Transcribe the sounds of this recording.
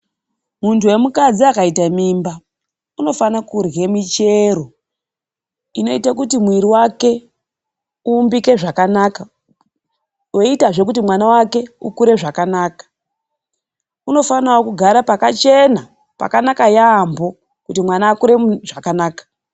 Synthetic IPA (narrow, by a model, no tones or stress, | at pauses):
muntuwe̞mukad͡ziakaitamimba | uno̞fanakurɣe̞mit͡ʃe̞ɾo̞ | ino̞itakutimwiɾiwake̞ | uːmbike̞ʐakanaka | o̞itaʐe̞k̬utimwanawake̞ukuɾe̞ʐakanaːkḁ | uno̞fanawokuɡʱaɾapakat͡ʃe̞na | pa̰kanakajaːmbo | kutimwanaːkuɾe̞ʐakanaːkḁ